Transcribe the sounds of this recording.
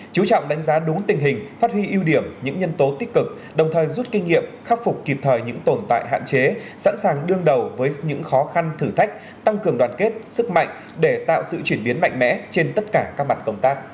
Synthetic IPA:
t͡ɕu˨˦t͡ɕɔ̰˧˨wŋ͡mɗa˨˦jŋ̟zaː˨˦ɗʊ˨˦ŋt̪ï˨˩ŋ̟ɦï˨˩ŋ̟faː˦˥t̚hwi˧ʔi˧wɗi˧˩əmɲɨ̰˧˥ŋɲə˧nt̪o˨˦t̪i˦˥kɨ˨˩k̚ | ɗə˨˩wŋ͡mt̪ʰəː˨˩jzu˦˥t̚kï˧ŋ̟ŋːḭ˧˨əmxa˦˥p̚fʊ˨˩k͡p̚kːi˨˩p̚t̪ʰəː˨˩jɲɨ̰˧˥ŋt̪o˧˩nt̪a̰ː˧˨jɦa̰ː˧˨nt͡ɕe˨˦sa̰˧˥nsaː˨˩ŋɗɨ˧əŋɗə˨˩wvəː˨˦jɲɨ̰˧˥ŋxɔ˨˦xa˧nt̪ʰɨ˧˩t̪ʰa˦˥jk̟̚ | t̪a˧ŋkɨ˨˩əŋɗwaː˨˩nke˦˥t̚sɨ˦˥k̚ma̰˧˨jŋ̟ | ɗe˧˩t̪a̰ː˧˨wsɨ̰˧˨t͡ɕwi˧˩ənɓi˨˦ənma̰˧˨jŋ̟mɛ̰˧˥t͡ɕe˧nt̪ə˦˥t̚kaː˧˩kaː˦˥k̚ma˨˩t̚kə˧wŋ͡mt̪aː˦˥k̚

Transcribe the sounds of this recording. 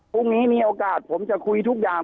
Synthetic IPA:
pʰu˥˩ŋniː˦˥miː˧ʔoː˧kaː˨˩t̪̚pʰo˩˦mt͡ɕa˨˩kʰu˧jt̪ʰu˦˥k̚jaː˨˩

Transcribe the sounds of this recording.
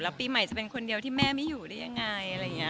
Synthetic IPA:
lɛː˦˥wpiː˧ma˨˩˦jt͡ɕa˨˩pe˧nkʰo˧ndi˧əwt̪ʰiː˥˩mɛː˥˩ma˥˩juː˨˩da˥˩ja˧ŋːa˧jʔa˧ɾa˧jŋi˦˥

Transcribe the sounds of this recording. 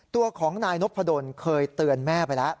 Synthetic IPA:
t̪u˧ɐkʰɔː˩˦ŋnaː˧jno˦˥pʰa˧do˧nkʰɤː˧jt̪ɯ˧ənmɛː˥˩pa˧jla˦˥ʔ

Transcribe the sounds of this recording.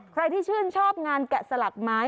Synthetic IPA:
kʰɾa˧jt̪ʰiː˥˩t͡ɕʰɯː˥˩nt͡ɕʰɔː˥˩p̚ŋaː˧nkɛ˨˩sa˧la˨˩k̚maː˦˥j

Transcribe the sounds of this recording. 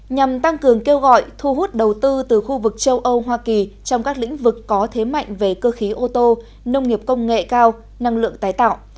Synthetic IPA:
ɲa˨˩mt̪a˧ŋkɨ˨˩əŋke˧wɣɔ̰˧˨jt̪ʰu˧ɦu˦˥t̚ɗə˨˩wt̪ɨ˧t̪ɨ˨˩xu˧vɨ˨˩k̚t͡ɕə˧wʔə˧wɦwaː˧ki˨˩t͡ɕɔ˧wŋ͡mkaː˦˥k̚lḭ̈˧˥ŋ̟vɨ˨˩kːɔ˨˦t̪ʰe˨˦ma̰˧˨jŋ̟ve˨˩kəː˧xi˨˦ʔo˧t̪o˧ | nə˧wŋ͡mŋi˨˩əp̚kə˧wŋ͡mŋḛ˧˨kaː˧w | na˧ŋlɨ̰˧˨əŋt̪aː˨˦jt̪a̰ː˧˨wʔ

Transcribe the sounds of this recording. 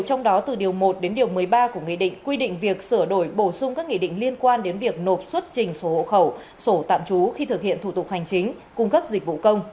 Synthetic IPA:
t͡ɕɔ˧wŋ͡mɗɔ˨˦t̪ɨ˨˩ɗi˨˩əwmo˨˩t̚ɗe˨˦nɗi˨˩əwmɨ˨˩əjɓaː˧ku˧˩əŋḭ˧˨ɗḭ̈˧˨ŋ̟kwi˧ɗḭ̈˧˨ŋ̟vi˨˩ək̚sɨ˧˩əɗo˧˩jɓo˧˩sʊ˧ŋ͡mkaː˦˥k̚ŋḭ˧˨ɗḭ˧˨ŋ̟li˧ənkwaː˧nɗe˨˦nvi˨˩ək̚no˨˩p̚swə˦˥t̚t͡ɕï˨˩ŋ̟so˨˦ho̰˧˨xə˧˩w | so˧˩t̪a̰ː˧˨mt͡ɕu˨˦xi˧t̪ʰɨ˨˩k̚hḭ˧˨ənt̪ʰu˧˩t̪ʊ˨˩k͡p̚ha˨˩jŋ̟t͡ɕï˨˦ŋ̟ | kʊ˧ŋ͡mkə˦˥p̚zï˨˩k̟̚vṵ˧˨kə˧wŋ͡m

